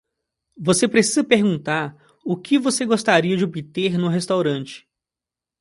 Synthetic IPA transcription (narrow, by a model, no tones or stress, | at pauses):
vosepɾesizɐpeɾɡũnt̪aɾ | ʊkʰɪvoseɡost̪aɾiɐd͡ʒɪobit̪eɾnʊɦest̪awɾɐ̃t͡ʃɪ̥